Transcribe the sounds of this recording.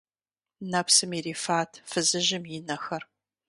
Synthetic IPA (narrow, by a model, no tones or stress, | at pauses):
nɐpʰsɨmiɾiːfaːtʰfɨzɨʒɪmjɪnɐxɐr